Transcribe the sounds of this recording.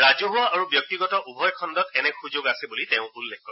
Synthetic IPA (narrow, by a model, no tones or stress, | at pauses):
ɹazuɦʊaaɹubjɔk̚tiɡɔtɔʔubʱɔjkʰɔndɔtɛnɛxuzoɡasɛbuliteʊ̃ulːɛkkɔɹɛ